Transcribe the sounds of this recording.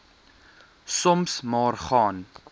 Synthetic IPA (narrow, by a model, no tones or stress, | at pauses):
sɔmsmɑːrχɑːn